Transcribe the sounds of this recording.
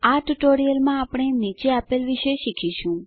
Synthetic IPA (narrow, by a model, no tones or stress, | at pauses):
aʈuʈoɾijəlmãapɽ̃enit͡ʃeapelʋiʃeʃikʰiʃũ